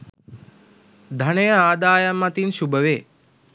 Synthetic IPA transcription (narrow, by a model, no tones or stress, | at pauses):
d̪ʱəɳeaːd̪aːjamːat̪inʃubʱəʋeː